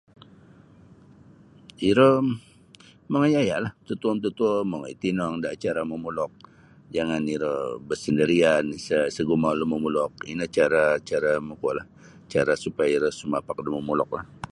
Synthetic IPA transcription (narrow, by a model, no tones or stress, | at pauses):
iɾə | məŋajajaʔlaht̪ut̪uəmt̪ut̪uəməŋait̪inɔŋdaʔt͡ʃaɾaməmulɔk̚ | d͡ʒaŋaniɾəbəsəndəɾiansəsəɡumaləməmulɔk̚inət͡ʃaɾat͡ʃaɾaməkuaʔlah | t͡ʃaɾasupajaiɾəhsumapak̚dəməmulɔk̚lah